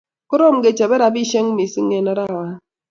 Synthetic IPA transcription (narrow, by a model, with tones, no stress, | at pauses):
ko˦ɾɔ˦˨m˨ɡe˨t͡ʃa˨be˦ɾa˨bi˦ʃe˦ŋ˦mi˨si˦ŋːe˨na˦ɾa˦˨wa˦